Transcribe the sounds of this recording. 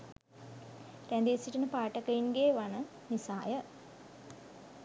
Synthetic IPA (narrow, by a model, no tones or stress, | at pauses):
rænd̪iːsiʈənəpaːʈəkəinɡeːʋanə | nisaːjə